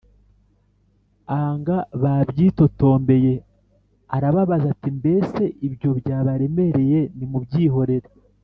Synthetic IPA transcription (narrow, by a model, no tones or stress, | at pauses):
aŋɡaβabjiːto̞to̞ːmbe̞je̞ | aɾaβaβazatimbe̞ːse̞ʔibjo̞bjaːβaɾe̞me̞ɾe̞je̞nimubɟiːɦo̞ɾe̞ɾe